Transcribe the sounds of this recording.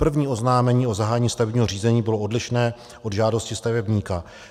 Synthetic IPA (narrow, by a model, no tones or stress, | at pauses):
pr̩vɲiːo̞znaːmɛɲiːo̞zaɦaːjɛɲiːst̪avɛbɲiːɦoriːzɛɲiːbɪloʔodlɪʃnɛː | ʔo̞dʒaːdo̞scɪst̪avɛbɲiːka